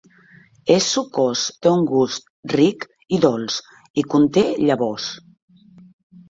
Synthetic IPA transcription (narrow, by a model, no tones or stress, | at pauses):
esːukɔst̪euŋɡust̪rik | iðɔlˠs | ikunt̪eʎaβɔs